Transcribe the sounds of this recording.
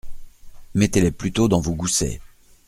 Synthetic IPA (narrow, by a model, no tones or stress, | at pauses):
mɛt̪eleplyt̪od̪ɑ̃vuɡusɛ̰